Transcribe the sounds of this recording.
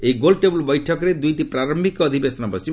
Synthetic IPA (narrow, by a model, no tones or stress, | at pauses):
eɡolɖʈebulbɔjʈʰɔkɔɾed̪ujʈipɾaɾɔmbʱikɔːd̪ʱibesɔnɔpɔsi